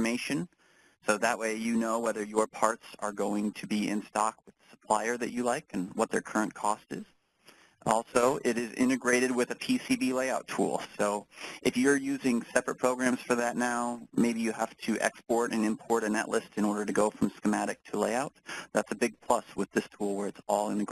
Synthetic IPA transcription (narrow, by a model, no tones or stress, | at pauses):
əmeɪʃɨ̃n | soʊðəʔ̚weɪjɨnoʊwɛðə˞jə˞pʰɑɹtsə̰˞ɡoʊɪ̃ŋtʰɨbiɪ̰̃nstɑk̚wɨðəsə̥pʰl̥aɪə˞ðɨ̰t͡ʃɨlaɪkɨ̃nwʌt̪̚ðə˞kʰɜ˞ɨ̃nkʰɔstɨ̰z̥ | ɔlˠsoʊʔɪɾɪzɪ̰̃ɾ̃ɨɡɹeɪɾɨd̚wɨðɨpʰisibileɪaʊtʰṵlˠsoʊʔɨfjə˞jʉzɪ̃ŋsɛpɹɨt̚pʰɹ̥oʊɡɹæ̃mz̥fə˞ðɨtⁿnaʊmeɪbijɨhæftʰɨʔɛ̰kspɔɹɾɨ̃nɨ̃mpʰɔɹɾɨ̃nɛ̰ʔlʔɪstɨ̃ñɔɹɾə˞ɾɨɡoʊfɹʌ̃mskəmæɾɨk̚tʰəleɪaʊt̪̚ðætsɨbɪɡ̚pʰl̥ʌswɨðɪstʰulˠwə˞ɨtsɔlˠɪ̃nɨɡ